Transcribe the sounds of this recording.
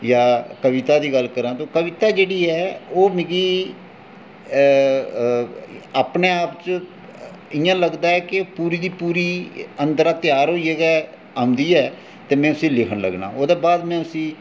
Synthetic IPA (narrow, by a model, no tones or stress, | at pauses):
jaːkəʋɪt̪aːd̪iːɡəlkəɾãːt̪õːkəʋɪt̪aːd͡ʒeːɽiːɛːoːmẽɡiː | aːpneːaːpt͡ʃ | ɪjãːləɡd̪aːɛːkɪpuːɾiːd̪iːpuːɾiːənd̪əɾãːt̪jaːɾɦoːiːɛːɡɛː | aːʊ̃nd̪iːɛː | t̪eːmɛ̃ːʊsĩːlɪkʰənlə̰ɡna̰ːoːd̪eːbaːd̪mɛ̃ːʊsĩː